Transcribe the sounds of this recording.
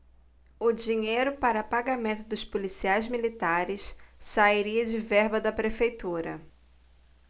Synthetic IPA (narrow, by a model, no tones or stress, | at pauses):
ʊd͡ʒiɲejɾʊpaɾɐpaɡamẽnt̪ʊd̪ʊspolisiajzmilit̪aɾɪssaiɾiɐd͡ʒɪvɛɾbɐd̪ɐpɾefejt̪uɾɐ̰